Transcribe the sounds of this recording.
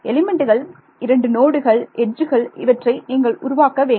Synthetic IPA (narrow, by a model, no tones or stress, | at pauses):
ɛlɪmɛɳɖɯɣɐɭ | ɪɾɐɳɖɯnoːɽɯɣɐɭʔɛɖd͡ʒɯɣɐɭɪʋɐʈrɐɪniːŋɡɐɭʊɾʊʋaːkːɐʋeː